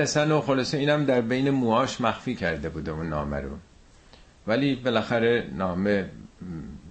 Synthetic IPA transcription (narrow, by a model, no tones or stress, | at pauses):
æsænoxolɒːseiːnæmd̪æɾbe̞jnemuːɒːʃmæxfiːcʰæɾd̪e̞buːd̪euːnːɒ̰ːmæ̰ɾo̰ | væliːbelæxæɾenɒːme